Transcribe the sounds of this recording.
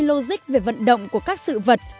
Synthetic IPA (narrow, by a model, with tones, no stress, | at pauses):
lo˧zï˦˥k̚ve˨˩və̰˧˨nɗə̰˧˨wŋ͡mku˧˩əkaː˦˥k̚sɨ̰˧˨və˨˩t̚